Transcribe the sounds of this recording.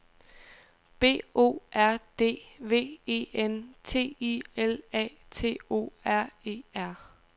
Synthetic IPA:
b̥e̝̰ːo̝̰ːʔæɐ̰d̥e̝̰ːʋe̝̰ːe̝̰ːent͡sʰe̝̰ːielɛ̰ːt͡sʰe̝̰ːo̝̰ːæɐ̰e̝̰ːæɐ̰

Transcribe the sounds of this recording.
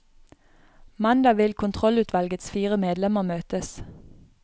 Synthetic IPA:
mɑnd̪ɑʋɪlkʰʊnt̪ʰʁɔlʉːt̪ʰʋɑlɡət̪sfiːʁəmeːd̪lɛməʁmøːt̪əs

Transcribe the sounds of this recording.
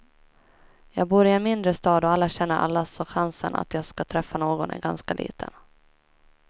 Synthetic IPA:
jɑːɡ̚buːɾɪɛnmɪnd̪ɾəst̪ɑːd̪ɔalːaɕɛnːəɾʔa̰lːasɔɧansənʔa̰t̪jɑːɡskat̪ʰɾɛfːanoːɡɔnæ̰ɾɡanskalʔḭːt̪ʰə̰n

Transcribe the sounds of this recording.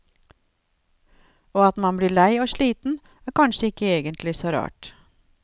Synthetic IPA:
oːɑt̪mɑnbliːɭæɪoːʃliːt̪n̩ | æːɾkʰɑnʃəɪkəeːɡənt̪ʰlɪsoːɾɑ̰ːʈ

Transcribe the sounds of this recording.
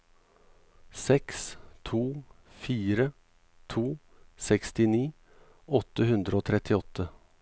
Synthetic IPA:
sɛkst̪ʰuː | fiːɾə | t̪ʰuː | sɛkst̪ɪniː | ɔt̪əhʉnd̪ɾəoːt̪ʰɾɛt̪ɪɔt̪ʰə

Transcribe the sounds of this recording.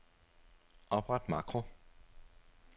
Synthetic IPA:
ʔɒ̽b̥ʁad̥mɑ̰̈ːkʁo

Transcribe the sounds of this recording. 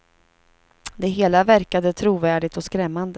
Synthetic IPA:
d̪ɛɦeːlavæɾkad̪ət̪ʰɾuːvæːɖɪɡ̚t̪ɔskɾɛmːand̪ə

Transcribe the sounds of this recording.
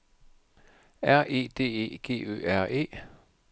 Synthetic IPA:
æɐʔe̝̰ːd̥e̝̰ːe̝̰ːɡ̥e̝̰ːø̰ːæɐ̰ʔe̝̰ː

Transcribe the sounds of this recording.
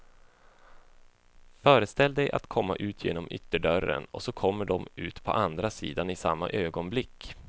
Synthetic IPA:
fœːɾəst̪ɛld̪ɛjʔa̰t̪kʰɔmːaʔʉ̟ːt̪ʰjḛːnɔmʏ̰t̪ːəɖœrːə̰nɔ̰sɔkʰɔmːəɖɔmʉ̟ːt̪pʰɔʔand̪ɾasḭːd̪anɪsa̰mːa̰ʔøːɡɔnblɪkː

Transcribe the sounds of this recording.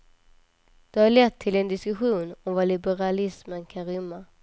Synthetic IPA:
d̪̥ɛhaɭɛt̪ʰːɪlɛnd̪ɪskɵɧuːnɔmvalɪbɛɾalɪsmənkʰanɾʏmːa

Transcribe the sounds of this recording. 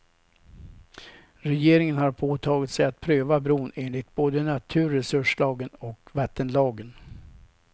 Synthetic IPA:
ɾɛjeːɾɪŋənhaɾpʰoːt̪ʰɑːɡɪt̪sɛjat̪̚pʰɾøːvabɾuːneːnlɪɡ̚t̪̚boːd̪ənat̪ʰʉ̟ːɾɛsɵʂlɑːɡənɔkvat̪ːənlɑːɡən

